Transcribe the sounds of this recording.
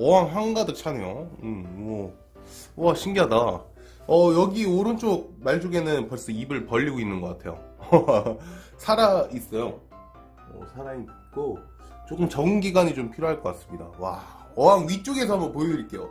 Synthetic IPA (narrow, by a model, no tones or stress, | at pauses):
ʌaŋɦaŋɡadɯk̚t͡ɕʰanejoɯmmʌ | waɕʰiŋɡiɦada | ʌjʌɡioɾɯnt͡ɕ͈ok̚maɭt͡ɕ͈oɡe̞nɯnpʌɭs͈ʌibɯɭpʌʎːiɡoinːɯnɡʌk͈atʰe̞̰jo̰ | sʰaɾais͈ʌjo | ʌ̰sʰaɾai | k͈o | t͡ɕ͈ok͈ɯmt͡ɕʌŋɡiɡaɲit͡ɕompʰiɾjoɦaɭk͈ʌk͈as͈ɯ̥mɲida̰wa̰ | ʌwaŋɥit͡ɕ͈oɡe̞sʰʌɦambʌnpooɯɾik͈e̞jo